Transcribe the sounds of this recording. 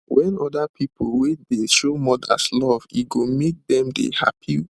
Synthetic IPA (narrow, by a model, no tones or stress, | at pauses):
wɛ̃nɔdapʰipʰolwedeʃomɔda̰slɔvḭɡomek̚dɛ̃mdḛha̰pʰi